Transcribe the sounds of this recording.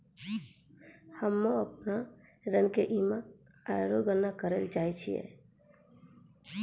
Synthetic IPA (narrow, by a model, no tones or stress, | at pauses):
həmːoəpnaɾənkeʔima | ajɾoɡənːakəɾəld͡ʒajt͡ʃʰijɛ̰